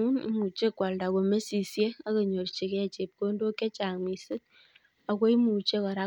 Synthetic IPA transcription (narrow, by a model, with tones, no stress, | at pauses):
u˦nḭ˦mu˨t͡ʃe˦kːwa˨lda˨ko˨me˦si˨sje˦a˦ke˨ɲo˨rt͡ʃe˨kɛ˦˨t͡ʃe˨p̚ko˦ndo˦kːe˦t͡ʃa˨ŋmi˨sɨ˦t | a˨kwe˦jmu˨t͡ʃe˦kɔ˨ɾa˦